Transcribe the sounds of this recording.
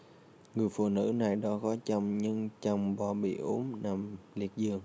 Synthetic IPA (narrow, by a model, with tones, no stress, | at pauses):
ŋɨ˨˩əjfṵ˧˨nɨ̰˧˥na˨˩jɗɔ˨˦kɔ˨˦t͡ɕa˧wŋ͡mɲɨ˧ŋt͡ɕɔ˧wŋ͡mɓɔ˧˩ɓḭ˧˨ʔu˨˦nna˨˩mli˨˩ət̚zɨ˨˩əŋ